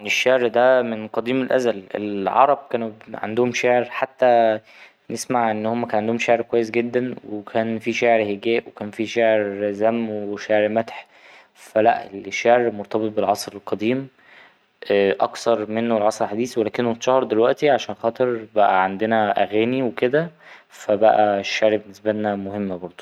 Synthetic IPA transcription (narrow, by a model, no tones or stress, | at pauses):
neʃːeʕɾd̪æmenqɑd̪iːmelʔæ̰zælḛlʕɑ̰ɾˤɑb̚kæːnʕa̰nd̪ohomʃeʕeɾħat̪ːæ | nesmaʕʔenːhomːækænʕand̪ohomʃeʕeɾkowæjːes̬ɡed̪ːænwekʰæːnfiʃeʕɾheɡæːʔwekæːnfiʃeʕeɾzæmːweʃeʕɾmæt̪ħ | fælæ̰ʔeleʃːeʕɾmoɾt̪ˤɑbet̪̚ˤbelʕɑsˤɾelqɑd̪iːm | ʔʔɑksɑɾˤmenːoelʕɑsˤɾelħad̪iːsiwelæːkenːot̪ʃɑhɑɾˤd̪elwæʔt̪iʕaʃæːnxɑːt̪ˤeɾbæʔæ̰ʕand̪enæʔæɣæːniweked̪æfæbæ̰ʔæʃːeʕɾbenːesbælnæmohemːbɑɾˤd̪ˤo̥